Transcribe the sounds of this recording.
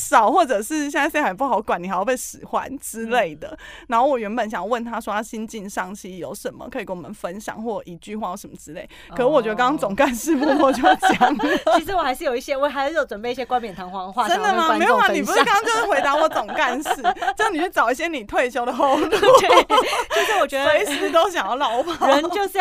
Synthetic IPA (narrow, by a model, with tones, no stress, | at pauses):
ʂɑ˨˩ʊxwɔ˥˩ʈ͡ʂɤə˨˩ʂɻ̩˥˧˩ɕjna˥˩ɪsa˨˩p̬u˥˩xɑ˨˧˦ʊkwa˨˩ni˨˩xo˧˩pe˥˩ʂɻ̩˨˩xwa̰˦nʈ͡ʂɻ̩˦le˥˩ɪd̪ə̰˩na˨˧˥ŋxo˥˩wɔ˨˩ɥɛ˧˥npə˨˩nɕjɑ˨ŋjɑ˨˧˦wə˥˩nt̪ʰa˥ʂwɔ˥t̪a˥ɕi˦nt͡ɕi˥˧˩nʂɑ˥˩ŋt͡ɕʰi˧jo̰˨˦ʊʂə˨˦nmə̰˨kʰɤ˧˥i˨˩kə˥ɔ˨˩ə˨˦nfə˦nɕjɑ̰˨˩˦ŋxwɔ˥˩i˧˨˩t͡ɕy˥˧xwa˥˩jo˧˩ʂə˧˦mə˧˩ʈ͡ʂɻ̩˧˦le˥˩ɪkʰə˨˩ɻ̩˥wɔ˨˩t͡ɕɥɛ˧˥ə˧kɑ˥ŋkɑ˥ŋt͡sɔ˨˩ŋka˥˧nʂɻ̩˥˧pu˥˧mɔ˥˩˧t͡ɕo˥˧jt͡ɕjɑ˨˩ŋi˧˥ʂ̬ɻ̩˧˥wɔ˨˩xa˧˥ɪʂɻ̩˥˩jo˨˩ʊi˥˩ɕjɛ˥wɔ˨˦xa˧˥ɪjo˧˥˩jo˧ʊwə˨˩npe˥˧i˥ɕjɛ˧˥kwa˥npjɛ˨˩nt̪ʰɑ˧˥ŋxwɑ˥ŋxwa˥˨ʈ͡ʂə˦˥nd̪ə˨ma˧˥e˧˥jo˧˩xwa˥˩ni˨u˧˥ʂɻ̩˥˧˥kŋkɑ˥ŋt͡ɕjo˥ʊʂɻ̩˥˩we˧˥ɪt̪a˧˥wɔ˨˥˩t͡sɔ˨˩ŋka˥˧nʂɻ̩˥˩t͡ɕʊni˨˩t͡ɕʰy˥˩ʈ͡ʂɑ˨˩ʊi˥˩ɕ̬jɛ˥ni˨˩t̪ʰwe˥˩ɪɕjo˥ʊd̪ə˨xo˥˧ʊt̪u˥ | t͡ɕʰi˧˥ʂ̩˧˨wɔ˨˩t͡ɕɛ˧˦we˧˥ɪt͡s̩ʰ˨˥˦t̪o˥ʊɕ̬ɑ˨ŋjɑ˥˩ʊlɑ˧˥ʊpa˥˩ɻnt͡ɕjo˥˧ʊʂ̩˥˧